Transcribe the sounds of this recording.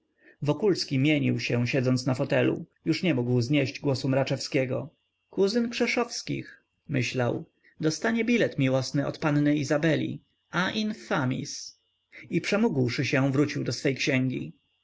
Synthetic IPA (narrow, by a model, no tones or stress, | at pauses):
vɔkulskʲimʲjeɲiwɕɛɕɛd̪zɔnt̪snafɔt̪ɛlṵjuʂɲɛmuɡwzɲeʑd͡ʑɡwɔsumɾat͡ʂɛfskʲɛɡɔ̰ | kuzɘnkʂɛʂɔfskʲḭx | mɘɕlaw | d̪ɔst̪aɲɛbʲilɛt̪mʲiwɔsnɘɔ̰t̪pannɘizabɛlʲḭ | aʔinfamʲḭs | ipʂɛmuɡwʂɘɕɛvɾut͡ɕiwd̪ɔsfɛjkɕɛŋɡʲḭ